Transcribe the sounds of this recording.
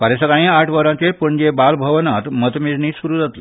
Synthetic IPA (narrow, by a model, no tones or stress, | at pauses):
paɾesəkaɽ̃ĩaʈʰʋəɾãt͡ɕepəɳd͡ʑebalbʱəʋnat̪mət̪mid͡zniːsuɾuːd͡zat̪le